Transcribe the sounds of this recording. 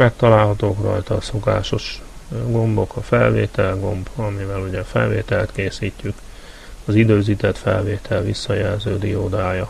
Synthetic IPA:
mɛk̚t̪ɒlaːlɦɒt̪oːkrɒ̰jt̪ɒːso̞ka̰ːʃo̞ʃɡo̞mbo̞kɒfɛlvḛːt̪ɛlɡo̞mbɒmivɛluɟɛfɛ̰lvḛːt̪ɛlɛt̪keːsiːcːyk | ɒzid̪øːziːt̪ɛt̪fɛ̰lveːt̪ʰɛlvisːɒjɛlzøːd̪ijoːd̪aːjɒ

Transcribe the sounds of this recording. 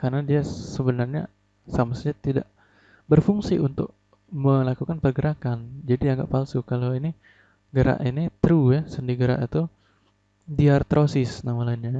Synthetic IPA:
karnadiasəbənarɲa̰ | samasaɲat̪ida̰ʔ | bərfuŋsiunt̪ʊ̰k̚ | məlakukanpərɡəɾakand͡ʒadiaŋɡa̰ʔpalsʊkaloini | ɡəɾa̰ʔinit̪ɾujasəndiɡəɾa̰ʔit̪u | diart̪ɾʔosɪsnamalainɲa

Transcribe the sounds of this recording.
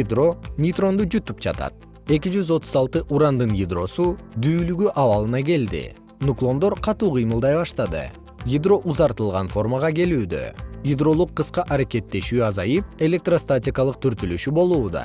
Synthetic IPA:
id̪ro̞mʲit̪ro̞nd̪ud͡ʒyt̪yp̚d͡ʒɑ̰t̪ɑ̰t̪̚ | e̞kʲid͡ʒyzo̞t̪uzɑlˠt̪ɯʔuɾɑnd̪ɯnjid̪ro̞sud̪yːlyɡyʔɑβɑlˠɯnɑɡe̞ld̪ḭ | nuklˠo̞nd̪o̞ɾqʰɑt̪uːqʰɯjmɯlˠd̪ɑjbɑʃt̪ɑd̪ɯ̰ | jid̪ro̞ʔuzɑɾt̪ɯlˠʁɑnfo̞rmɑʁɑke̞lyːd̪ø̰jid̪ro̞lˠuqːɯsqɑʔɑɾake̞t̪ːe̞ʃyːɑzɑjɯp̚e̞lʲe̞k̚t̪rost̪atʲɪkɑlˠɯq̚t̪ʰyɾt̪ylyʃybo̞lˠuːd̪ɑ̰

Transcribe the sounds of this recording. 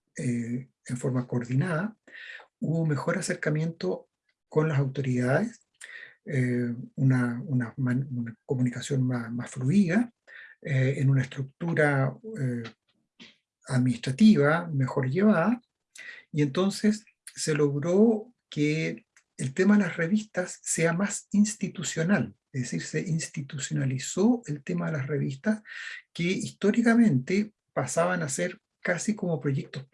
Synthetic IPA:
e | eɱfo̞ɾmakoːɾðinaða | uβoume̞xo̞ɾase̞ɾkamje̞nt̪o | ko̞nlas̬awt̪o̞ɾiðaðes | eunaunamanunakomunikasjo̞nmamasfluiða | eenunaest̪ɾuk̚t̪uɾae | aðminist̪ɾat̪iβamexo̞ɾʝeβaða | ie̞nt̪o̞nsesː | elo̞ɣɾo | keː | lt̪emaðelasreβist̪asːeamasinst̪it̪usjonaleðesiɾseʔinst̪it̪usjo̞nalisoelt̪emaðelasreβist̪askeist̪oɾikamẽ̞nt̪e | pasaβanaseɾ | kasiko̞mopɾo̞ʝek̚t̪os

